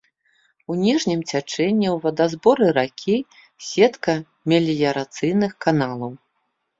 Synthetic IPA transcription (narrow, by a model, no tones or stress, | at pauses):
unʲiʐnʲimt͡sʲat͡ʂɛnʲːiwvɐd̪azbɔɾɨɾakʲʰi | sʲɛt̪kɐ | mʲɛlʲijɐɾat̪sɨjnɨxkanalˠɐw